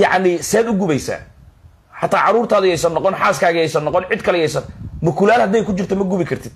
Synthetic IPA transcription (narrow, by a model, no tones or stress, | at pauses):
jɑʕnɪsɛːd̪ʊɡʊβɛjsa̰ː | ħɑt̪ʰaːʕɑɾuːrt̪ʰaːðʊjɛjsɐnːɔqɔnħaːskʰaːɣɐjɛjsɐnːɔqɔnʕɪd̪kʰɐlɛjɛjsɐnmʊkʰʊlaːlhɐd̪ɛjkʰʊt͡ʃɪrt̪ʰɔmɐɡʊβɪkʰɐrt̪ʰɪd̪̚